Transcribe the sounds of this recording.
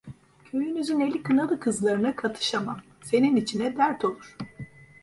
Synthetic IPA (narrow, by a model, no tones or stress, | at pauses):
cʰø̞jynyzyne̞lʲikʰɯnalˠɯkʰɯzlˠaɾɯnakʰat̪ʰɯ̥ʃamam | se̞ninit͡ʃʰinɛd̪æɾt̪ʰo̞lˠuɾ̥